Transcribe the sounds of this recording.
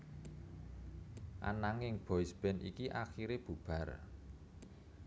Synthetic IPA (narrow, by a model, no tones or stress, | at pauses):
ʔa̰naŋɪŋb̥ɔisb̥ɛ̤nʔḭkiʔaxiɾeb̥ṳb̥a̤r